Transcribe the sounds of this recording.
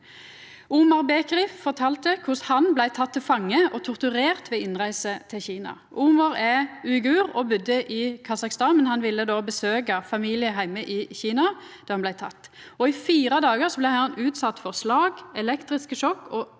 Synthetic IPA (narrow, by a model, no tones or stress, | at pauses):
uːmɑʁbeːkʁɪffɔʁt̪ʰɑːlt̪əkʰʊshɑnblæɪt̪ʰɑt̪ʰːɪlfɑŋːəʔɔt̪ʰʊʁt̪ʉʁeːʁt̪ʋɛɪnʁæɪsət̪ʰɪlçiːnɑ̰ | ʔuːmɑʁɛʉːɪɡʉːʁɔbʉd̪əʔɪkʰɑsɑkst̪ɑːnmɛnhɑnʋɪlːəd̪oːbəsøːkɑfɑmiːlɪəɦæɪməʔɪçiːnɑ | d̪̥ɑːhɑnlæɪt̪ʰɑ̰t̪ː | ɔɪfiːɾəd̪ɑːɡəʁsɔblɛɪhɑnʉːt̪sɑt̪ːfɔʁslɑːɡɛlɛkt̪ʁɪskəʃɔkːɔ